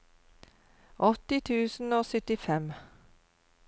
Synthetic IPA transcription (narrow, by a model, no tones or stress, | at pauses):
ʔɔt̪ɪt̪ʰʉːsn̩oːsœt̪ɪfɛm